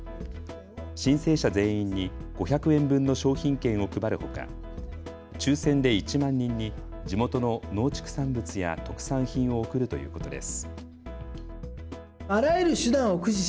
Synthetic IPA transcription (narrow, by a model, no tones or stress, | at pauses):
ɕĩɰ̃se̞ːɕazẽ̞ːĩɲːiɡ̥o̞çakɯ̟ẽ̞mbɯ̟̃nːo̞ɕo̞ːçĩŋkẽ̞ɰ̃o̞kɯ̟baɾɯ̟ho̞̰ka̰ | t͡ɕɨːsẽ̞nd̪e̞it͡ɕimãɲ̟ːĩɲ̟ːi | d͡ʑimo̞t̪o̞no̞no̞ːt͡ɕi̥kɯ̟̥sãmbɯ̟t͡sɨja̰t̪o̞kɯ̟̥sãɰ̃çĩɰ̃o̞ːkɯ̟ɾɯ̟t̪o̞jɯ̟̰ːko̞t̪o̞d̪e̞̰sɨ̥ | aɾaeɾɯ̟ɕɨd̪ãɰ̃okɯ̟ʑi